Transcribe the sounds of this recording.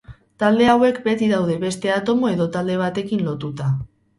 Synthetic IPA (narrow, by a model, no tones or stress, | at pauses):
t̪ald̪e̞awe̞kbe̞t̪iðawð̞e̞βe̞st̪e̞at̪o̞mo̞e̞ðo̞t̪ald̪e̞β̞at̪e̞kinlo̞t̪ut̪a